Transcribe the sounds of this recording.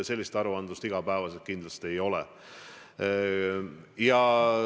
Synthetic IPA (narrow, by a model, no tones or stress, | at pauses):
se̞lʲːist̪ɑɾuɑnd̪ust̪iɡ̥ɑpæeːvɑset̪kind̪lɑst̪ie̞jo̞lɛ̰ | jɑ